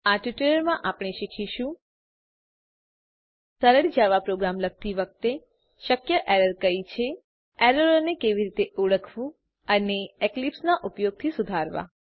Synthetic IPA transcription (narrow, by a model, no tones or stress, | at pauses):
aʈʋiʈələɾmãʔapɽ̃eʃikʰiʃũ | səɾəɽid͡ʒaʋapɾoɡɾamlək̚t̪iʋək̚t̪e | ʃəkjəʔɛɾəɾkəit͡ʃʰe | ɛɾəɾonekeʋiɾit̪eʔuɭəkʰʋũ | əneeklipsnaʔupjoɡ̚t̪ʰisʊd̪ʱaɾʋa̰